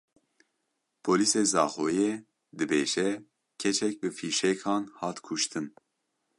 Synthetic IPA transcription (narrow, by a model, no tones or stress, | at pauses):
pʰoːliːseːzɑ̰ːxoːjɛ | d̪ɨbeːʒɛ | kʰɛt͡ʃʰɛk̚bɨfiːʃɛkʰɑːnhɑːt̪kʰuʃt̪ʰɨn